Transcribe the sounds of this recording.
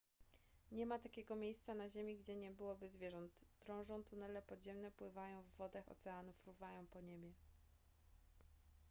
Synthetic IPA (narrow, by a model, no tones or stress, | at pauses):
ɲɛmat̪akʲeɡɔmʲjejst̪sanaʑemʲiɡd͡ʑɛɲɛbɘwɔbɘzvʲjɛʐɔnt̪ːɾɔ̃w̃ʐɔ̃w̃t̪unɛlɛpɔd̪ʑɛmnɛpwɘvajɔ̃w̃vːɔd̪axɔ̰t̪sɛanufɾuvajɔ̃w̃pɔɲebʲjɛ